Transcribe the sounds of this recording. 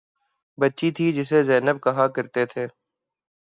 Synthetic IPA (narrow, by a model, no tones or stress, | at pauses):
bɐtːʃit̪ʰid͡ʒɪs̬ezɛːnəb̚kɐɦakɐɾt̪et̪ʰeː